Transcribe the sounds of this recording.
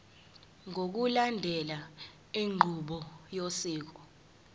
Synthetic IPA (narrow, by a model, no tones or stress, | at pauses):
ŋok̬ulandʱɛla | eŋ͡ǃʱuɓɔjosiːk̬ɔ